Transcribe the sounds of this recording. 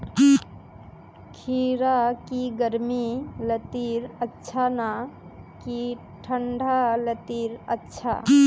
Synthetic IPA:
kʰiɾakiɡəɾmilət̪iɾətːʃʰana | ki | ʈʰəɳɖʱalət̪iɾə̰tːʃʰa̰

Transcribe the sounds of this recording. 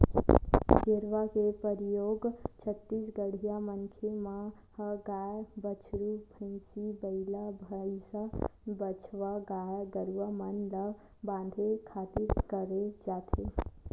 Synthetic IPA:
ɡeɾʋakepəɾijoɡt͡ʃʰət̪ːisɡəɽ̤ijamənkʰema | həɡajbət͡ʃʰɾubʱənsibəɪlabʱəisabət͡ʃʰʋaɡajɡəɾuʋamənlə | bãnd̪ʱekʰat̪iɾkəɾed͡ʒat̪ʰe

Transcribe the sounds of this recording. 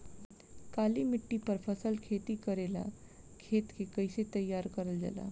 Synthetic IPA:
kaliːmiʈːipəɾfʰəsəlkʰet̪iːkəɾela̰ | kʰet̪kʰekəjset̪əjːaɾkəɾəld͡za̰la̰

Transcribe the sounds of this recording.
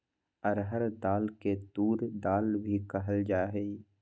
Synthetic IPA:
ɔɾɦəɾd̪aːlket̪uːɾd̪aːlbʱikəɦəld͡ʒaːɦɛi

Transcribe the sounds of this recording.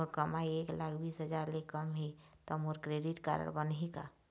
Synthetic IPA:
oɾkəmaieklakʰbiːsɦəd͡ʒaɾlekəmɦet̪ɔmoɾkɾeɖiʈka̰ɾə̰ɽbənɦika̰

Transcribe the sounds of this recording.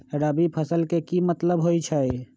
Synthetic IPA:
ɾəbipʰəsəlkekimət̪ləbɦoit͡ʃʰəj

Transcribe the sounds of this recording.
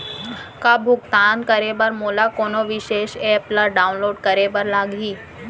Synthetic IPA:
kabʱuɡt̪ankəɾebəɾmolakonɔʋiɕeɕɛplaɖaunloɖkəɾebəɾlaɡʱiː

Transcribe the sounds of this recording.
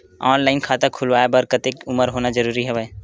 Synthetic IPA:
ɔːnlaːɪnkʰaːt̪akʰʊlʋaːjebɐɾkət̪eːkʊməɾɦoːnad͡ʒəɾuːɾiɦɛʋɛ

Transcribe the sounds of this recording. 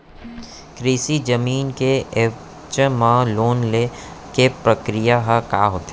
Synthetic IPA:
kɾiːsid͡ʒɐmiːnke | t͡ʃmãloːnlekepɾəkɾijaɦəkaːɦoːt̪e

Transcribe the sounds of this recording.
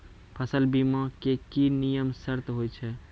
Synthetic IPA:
pʰəsəlbimãkekinijəmsəɾt̪ɦojt͡ʃʰɛ

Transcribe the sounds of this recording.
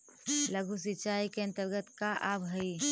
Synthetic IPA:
ləɡʱus̬it͡ʃaːikeə̃nt̪əɾɡət̪kaʔabɦəi

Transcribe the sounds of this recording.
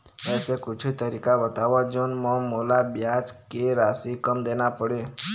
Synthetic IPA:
ɛsekut͡ʃʰit̪əɾikabət̪aʋad͡ʒonmɔmolabjat͡ʃkeɾasikəmd̪enapəɽe

